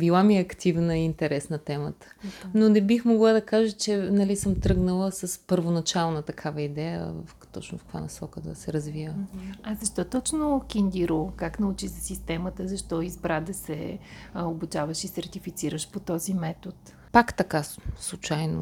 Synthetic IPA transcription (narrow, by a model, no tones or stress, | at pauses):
bilˠamiɐkt̪ivnəiint̪ɛɾɛsnət̪ɛmət̪ə̥nonɛbixmoɡlˠad̪ɐkaʒət͡ʃɛnɐlisəmt̪ɾɤɡnəlˠəsɐspəɾvonɐt͡ʃalˠnət̪ɐkʰavəid̪ɛjə̰vft̪ɔt͡ʃnʊfkva̰nɐsɔkəd̪ə̰sɛɾɐzvijəazɐʃt̪ɔt̪ɔt͡ʃnʊkʲind̪ʲiɾokaknɐut͡ʃizɐsist̪ɛmət̪əzɐʃt̪ɔizbɾad̪ɐsɛ̰obut͡ʃavəʃisɐɾt̪ifit̪siɾəʃpot̪ɔzimɛt̪ot̪ | pakt̪ɐkaslˠut͡ʃajno̰